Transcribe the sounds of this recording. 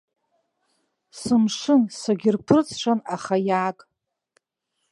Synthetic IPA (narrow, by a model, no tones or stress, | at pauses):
sɨmʂɨnsaɡʲɪrpʰɨrt͡sʰʂʷʰanaχajaːkʼ